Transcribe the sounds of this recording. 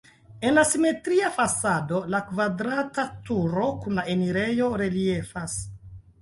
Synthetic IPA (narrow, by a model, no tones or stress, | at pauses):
e̞nlasime̞tɾiafasado̞lakvadɾatatuɾo̞kunlae̞niɾe̞jo̞ɾe̞lie̞fas